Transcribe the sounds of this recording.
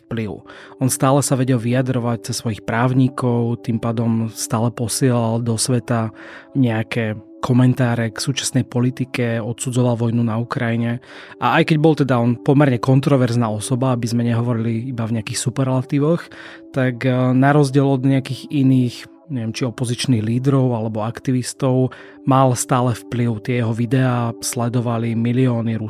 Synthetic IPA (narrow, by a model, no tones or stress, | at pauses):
pliʊ | ɔnst̪aːlɛsaʋɛɟɛlʋiad̪ɾɔʋac̚t͡sɛsːʋɔjixpɾaːʊɲikɔʊt̪impaːd̪ɔmst̪aːlɛpɔsɪɛlald̪ɔsʋɛt̪aɲɛakɛ | kʰɔmɛnt̪aːɾɛksuːt͡ʃḁsnɛjpɔlit̪ikɛɔt̪sud͡zɔʋalʋɔjnunaukɾajiɲɛʔaajkɛɟbɔlt̪ɛd̪aɔnpɔmɛɾɲɛkɔnt̪ɾɔʋɛɾznaːɔsɔbaabizmɛɲɛɦɔʋɔɾiliibavɲɛakiːxsupɛɾlat̪iʋɔx | t̪aɡnaɾɔzɟɪɛlɔd̪ɲɛakiːɣiniːx | ɲɛʋjɛmt͡ʃiɔpɔzit͡ʃniːɣliːd̪ɾɔʊalɛbɔakt̪iʋist̪ɔʊ | malst̪aːlɛfpliʊt̪ɪɛjɛɦɔʋid̪ɛaːslɛd̪ɔʋalimiliɔːniɾu